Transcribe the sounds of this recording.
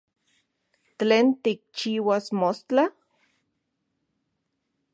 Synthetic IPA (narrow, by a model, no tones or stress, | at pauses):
t͡ɬeːnt̪ik̚t͡ʃiːwasmost͡ɬa